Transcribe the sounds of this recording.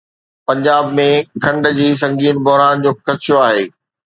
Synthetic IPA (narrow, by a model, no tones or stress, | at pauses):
pɐ̃ɲd͡ʑaːbmẽkʰɐ̃ɳɖd͡ʑiːs̬ɐ̃ŋɡiːnbɔɦɾaːnd͡ʑoːkʰɐʃoaːɦeː